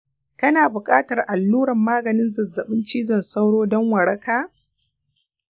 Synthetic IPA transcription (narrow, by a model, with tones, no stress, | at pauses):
kɐ˦naː˨bʊ˨kʼaː˦tɐ˨rʔa˨lːuː˦ɽɐ˨mːaː˦ɡɐ˨nɪ˦nzɐ˨zːɐ˨ɓɪ˦nt͡ʃiː˦zɐ˨nsɐ˦wɽoː˦dɔ˦ŋwɐ˨ɽɐ˦kaː˦